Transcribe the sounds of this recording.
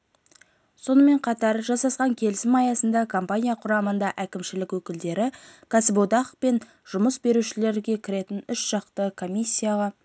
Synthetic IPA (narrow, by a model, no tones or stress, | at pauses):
so̞nəme̞ɴqʰɑt̪ɑɾʒɑsɑsqɑŋkʲʰe̞lɪsɪmɑjɑsənd̪ɑkʰo̞mpanʲijaqʰʊɾɑmənd̪ɑʔækʲɪmʃɪlɪkwɵkʲɪld̪e̞ɾɪkʰasbod̪ɑqpe̞n | ʒ̥ʊməsbe̞ɾuʃɪle̞ɾɡʲe̞kʲʰɪɾe̞t̪ɪnʏʃʒ̥ɑqt̪əkʰo̞mʲisʲːijaʁɑ